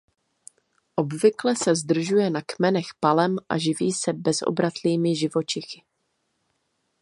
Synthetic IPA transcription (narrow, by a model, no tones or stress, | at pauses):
ʔo̞bvɪklɛsɛzd̪r̩ʒujɛnakmɛnɛxpalɛmʔa̰ʒɪviːsɛbɛzʔo̰bɾat̪liːmɪʒɪvo̞t͡ʃɪxɪ̥